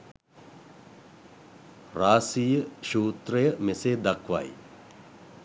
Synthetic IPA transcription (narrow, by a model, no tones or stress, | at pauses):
ɾaːsijəʃuːt̪ɾejəmeseːd̪ɐkʋa̰j